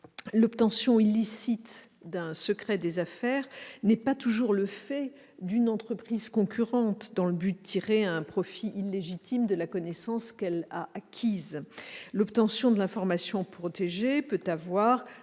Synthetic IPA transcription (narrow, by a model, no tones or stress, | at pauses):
lɔpt̪ɑ̃sjɔ̃ilːisit̪ | d̪ɛ̃səkχɛd̪ezafɛʁnɛpat̪uʒuʁləfɛ | d̪ynɑ̃t̪χəpχizkɔ̃kʲyʁɑ̃t̪d̪ɑ̃ləbyd̪ət̪ʰiʁeɛ̃pχɔfiʔilːeʒit̪ʰimd̪əlakɔnɛsɑ̃skɛlaʔakʲʰizlɔpt̪ɑ̃sjɔ̃d̪əlɛ̃fɔʁmasjɔ̃pχɔt̪eʒepøt̪avwaʁ